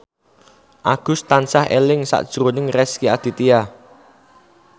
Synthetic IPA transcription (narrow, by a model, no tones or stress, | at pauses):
ʔaɡ̥ʊ̤st̪ansahḛlɪŋsa̰ʔd̥ʒ̥ɾonɪŋrɛskiad̪̥i̤t̪ia